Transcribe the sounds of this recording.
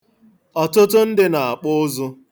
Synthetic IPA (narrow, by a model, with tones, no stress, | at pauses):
ɔ˨tʊ˦tʊ˦n̩˦dɪ˦na˨a˨k͡pʊ˦zʊ˦